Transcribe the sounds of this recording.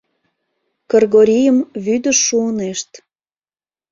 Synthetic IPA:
kərɣoɾʲijəmβyd̪əːuəneʃt̪

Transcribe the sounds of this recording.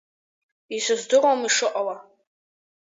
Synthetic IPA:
izʷɨzdɨromiʂɨʔʼawa

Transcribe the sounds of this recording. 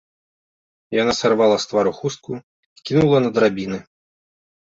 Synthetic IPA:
janasarvalˠɐst̪vaɾuxust̪̚ku | ikʲinulˠɐnɐd̪ɾabʲinɨ

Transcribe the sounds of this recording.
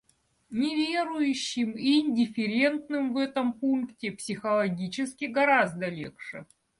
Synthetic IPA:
nʲɪvʲeɾʊjʉɕːɪmiɪnʲdʲɪfʲɪɾʲe̞nt̪nɨmvɛt̪əmpunktʲɪpsʲɪxəlˠɐɡʲit͡ɕɪskʲɪɡɐɾazd̪əlʲḛxʂɨ̰

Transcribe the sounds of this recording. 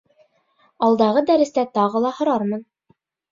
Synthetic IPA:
ɑlˠd̪ɑʁɤd̪æɾɘ̆st̪æt̪ɑʁɤlˠɑhŏɾɑɾmɤn

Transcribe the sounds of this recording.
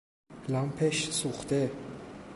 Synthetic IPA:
lampʰeʃsuχt̪e

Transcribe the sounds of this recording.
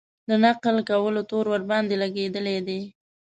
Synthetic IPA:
d̪ənaqlkawəlot̪oɾwəɾbɑnd̪elaɡed̪əled̪e

